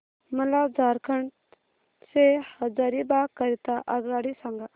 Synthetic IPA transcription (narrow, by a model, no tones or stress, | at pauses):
məlad͡zaɾkʰəɳʈ | sehəd͡zaɾibakəɾit̪aʔaɡaɽisãŋɡa